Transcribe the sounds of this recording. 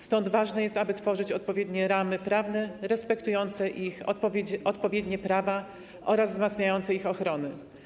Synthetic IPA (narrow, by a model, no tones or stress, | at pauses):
st̪ɔnd̪vaʐnɛjɛst̪abɘt̪fɔʐɘt͡ɕɔt̪̚pɔvjɛd̪ɲɛɾamɘpɾavnɛɾɛspɛkt̪ujɔnt̪sɛʔixɔt̪pɔvʲjɛd̪ɲɛpɾava | ʔɔɾazvzmat̪sɲajɔnt̪sɛixɔxɾɔnɘ